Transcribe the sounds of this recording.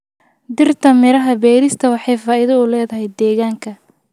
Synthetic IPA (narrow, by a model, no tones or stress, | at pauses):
d̪ɪrt̪ʰɐmɪɾɐɦɐbɛːɾɪst̪ʰɐwɑħɑjfaːʔɪðɐʊlɛːðɐɦɛjd̪ɛːɣaːŋkʰɐ